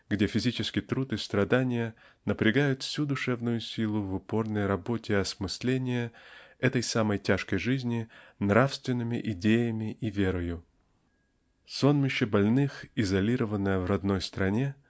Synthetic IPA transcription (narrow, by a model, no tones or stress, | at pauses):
ɡdʲe̞fʲɪzʲit͡ɕɪskʲɪjt̪ɾut̪ɨst̪ɾɐd̪anʲɪjə | nəpɾʲɪɡajʊt̪fsʲud̪ʊʂɛvnʊjʊsʲilˠʊvʊpo̞rnəjɾɐbo̞tʲɪɐsmɨsʲlʲenʲɪjəɛt̪əjsaməjtʲaʂkəjʐɨzʲnʲɪnɾafst̪vʲɪnːɨmʲɪʔɪdʲejəmʲɪʔivʲe̞ɾəjʊ | so̞nmʲɪɕːəbɐlʲnɨxɪzɐlʲiɾəvənːəjəvrɐd̪no̞jst̪ɾɐnʲe̞